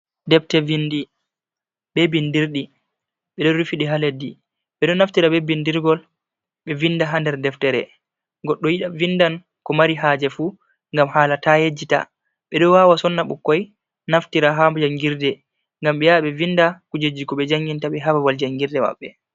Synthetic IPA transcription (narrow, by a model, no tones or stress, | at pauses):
dɛftɛvindi | bebindiɾɗi | ɓɛɗɔɾufiɗiɦaledːi | ɓɛɗɔnaftiɾabebindiɾɡɔl | ɓɛvindaɦandɛɾdɛftɛɾɛ̰ | ɡɔɗːɔjiɗavindan | kɔmaɾiɦaːd͡ʒɛfu | ŋɡamhaːlatajed͡ʒːita̰ | ɓɛɗɔwawasɔnːaɓṵkːɔj | naftiɾaɦamd͡ʒaŋɡiɾdɛ | ŋɡamɓɛjaɓɛvindakud͡ʒed͡ʒːikɔɓɛd͡ʒaŋɡintaɓɛɦabawald͡ʒaŋɡiɾdɛma̰ɓːɛ